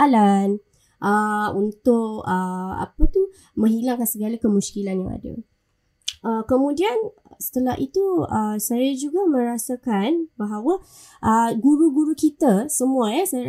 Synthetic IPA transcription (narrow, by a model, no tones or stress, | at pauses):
alan | ʔəunt̪ʊkəa̰pət̪u | mə̃ŋɦilaŋkansəɡalakəmuskilanjaŋa̰də̰ | ʔəkəmũdian | sə̥t̪əlahʔit̪uəsajad͡ʒuɡamə̃ɾasakanbaɦawa | ʔəɡuɾuɡuɾukit̪asəmũajasaj